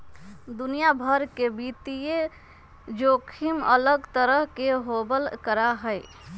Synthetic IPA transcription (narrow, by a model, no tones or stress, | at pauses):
d̪unijabʱəɾkebit̪ije | d͡ʒokʰimə̰ləɡt̪əɾəɦkeɦobəlkəɾaɦəj